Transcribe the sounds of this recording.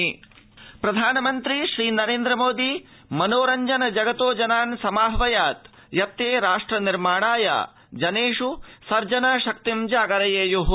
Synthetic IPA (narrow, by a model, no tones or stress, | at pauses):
pɾɐd̪ʱaːnɐmɐnt̪ɾiʃɾiːnɐɾeːnd̪ɾɐmoːd̪i | mɐnoːɾɐɲd͡ʒɐnɐd͡ʒɐɡɐt̪oːd͡ʒɐnaːnsɐmaːɦɐʋɐjaːt̪ | jɐt̪ːeːɾaːʂʈɾɐniɾmaːɳaːja̰ː | d͡ʒɐneːʂusɐɾd͡ʒɐnɐʃɐk̚t̪imd͡ʒaːɡɐɾɐjeːjuɦ